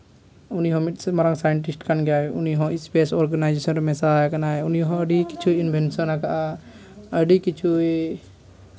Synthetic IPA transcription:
uniɦɔ̃miʈsmaɾaŋsajəɳʈisʈkanɡjaʔuniɦɔ̃ispesɔɾɡanajd͡ʒesɔnɾmɛsad͡ʒkanaɛuniɦɔ̃əɖiki̥t͡ʃʰuinbʱɛnsɔnakaʔa | əɖikit͡ʃʰui

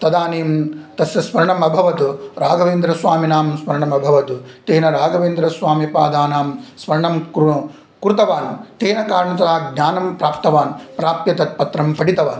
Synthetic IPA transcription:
t̪ɐd̪aːneːmt̪ɐsjɐsmɐɾɐɳɐmɐbʱɐʋɐt̪uɾaːɡɐʋeːnd̪ɾɐsʋaːminaːmsmɐɾɐɳɐmɐbʱɐʋɐt̪ut̪eːnɐɾaːɡɐʋeːnd̪ɾɐsʋaːmjɐpaːd̪aːnaːmsmɐɾɐɳɐm | kɾut̪ɐʋaːnut̪eːnɐkaːɾɐɳɐt̪ɐɾaːɡɲaːnɐmpɾaːpt̪ɐʋaːnpɾaːp̚t̪jɐt̪ɐt̪̚pɐt̪ɾɐmpɐɽit̪ɐʋaːnu

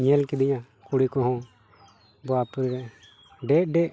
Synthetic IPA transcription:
ɲɛlkɛd̪iɲã | kuɽikɔɦɔ̃ | bɔapuɾiɾɛ | ɖɛʔ̚ɖɛʔ

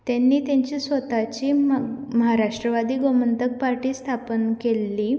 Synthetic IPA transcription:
t̪janːiːt̪jãɲt͡ɕiːsʋət̪at͡ɕiːməɦaɾaʂʈɾəʋad̪iːɡomənt̪ək̚paɾʈiːst̪ʰapənkelːiː

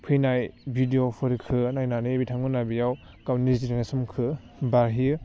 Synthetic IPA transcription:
pʰɯjnajbʱidiopʰɯɾikʰɯnajnanɯbitʰaŋbɯnabijaw | kawniziɾɯŋesɯmkʰɯ | baɾɦiɯ

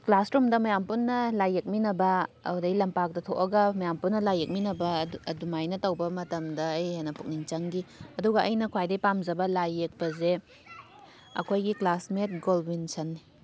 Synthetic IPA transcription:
klasɾumdɐmɐjampunːɐlajek̚minɐbɐɐ̰wdɐjlɐmpak̚dɐtʰoʔɐɡɐmɐjampunːɐlajek̚minɐbɐdumajnɐtɐwbɐmɐtɐmdɐːjhenɐpʰuk̚niŋt͡ʃɐŋɡiɐduɡɐʔɐjnɐkʰwajdɐjpamzɐbɐlajek̚bɐze | ɐ̰kʰojɡiklasmet̚ɡolbinsʰɐnːi

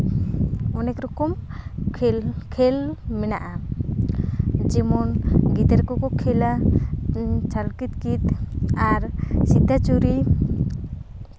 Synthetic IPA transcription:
ɔnɛkɾɔkɔmʰ | kʰɛlmɛnaʔa | d͡ʒɛmɔnɡid̪ɛɾkɔkɔkʰɛla | t͡ʃalkit̪kit̪aɾsid̪ʱat͡ʃuɾi

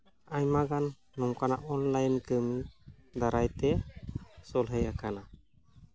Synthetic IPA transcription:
aɲmaɡanː | ɔmkana̰ʔɔnlajnkəmid̪aɾajt̪ɛ | sɔlɦəjakana

